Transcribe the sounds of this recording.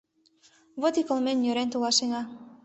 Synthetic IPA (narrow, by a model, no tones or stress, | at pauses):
βot̪ikolmenjøɾent̪ulɑʃeŋɑ